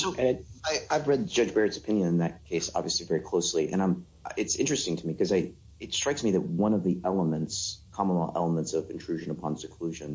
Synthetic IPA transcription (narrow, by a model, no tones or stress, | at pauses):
soʊɛɨaɪaɪvɹɛd̚d͡ʒʌd͡ʒbɛɹɨtsə̥pʰɪ̃njɨ̃nɨ̃nðɨt̚kʰeɪsɑ̰bviɨslivɛɹikʰl̥oʊsliʔɨ̰̃ɾ̃ãɪ̃m | ɨtsɪ̰̃nt͡ʃɹ̥ɨstɪ̃ŋtʰɨmikʰʌzaɪ | ɨtstɹ̥aɪksmiðɨt̚wʌ̃nʌvðiʔɛlˠəmɨ̃ntskʰɑmənl̩ˠɛ̰lˠəmə̃ntsʌvɨ̃ntʰɹ̥ʉʒɨ̃nəpʰɑ̃nsɨkʰl̥ʉʒɨ̃n